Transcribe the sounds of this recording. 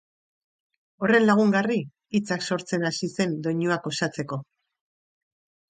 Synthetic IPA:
o̞re̞nlaɣ̞uŋɡari | it͡sakso̞ɾt͡se̞nasise̞nd̪o̞ɲuako̞sat͡se̞ko̞

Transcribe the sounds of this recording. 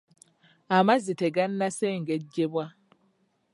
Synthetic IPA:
amaziteɡanːaseːŋɡeɟːeβwa

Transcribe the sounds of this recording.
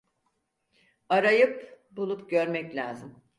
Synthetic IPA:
aɾajɯp | bulˠupɟøɾmɛclʲa̰ːzɯm

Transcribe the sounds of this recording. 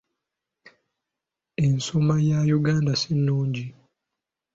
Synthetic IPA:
ensomajajuɡaːndasinːoːɲɟi

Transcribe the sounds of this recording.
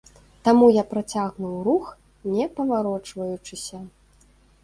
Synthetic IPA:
t̪amujapɾat͡sʲaɣnuwrux | nʲɛpɐvaɾɔt͡ʂvɐjut͡ʂɨsʲɐ

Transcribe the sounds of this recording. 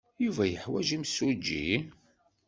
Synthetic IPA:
juvæjəħwæʒimsud͡ʒːḭ

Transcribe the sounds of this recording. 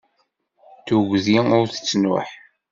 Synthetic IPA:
θuɡziʊɾθə̥t͡sːnʊ̰ħ

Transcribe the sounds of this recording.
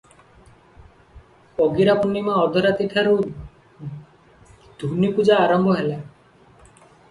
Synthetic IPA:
pɔɡiɾapunimaɔd̪ʱɔɾat̪iʈʰaɾu | d̪̥ʱunipud͡ʒaːɾɔmbʱɔɦela

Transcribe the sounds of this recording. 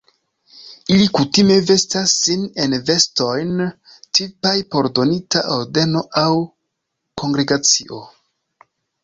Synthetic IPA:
ilikutime̞ve̞stasːine̞nve̞sto̞jn | tipajpo̞ɾdo̞nitaʔoɾde̞no̞ʔaw | ko̞ŋɡɾe̞ɡat͡siʔo̞

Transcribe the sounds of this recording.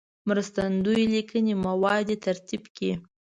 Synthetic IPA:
mɾəst̪and̪ujlikʰənemawɑd̪et̪ʰaɾt̪ibke

